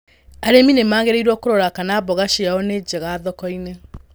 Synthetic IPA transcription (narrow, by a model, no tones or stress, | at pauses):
aɾeminemaːɣeɾeiɾwɔkoɾɔɾakanaːbɔɣaʃeaɔned͡ʒɛɣaːðɔkɔine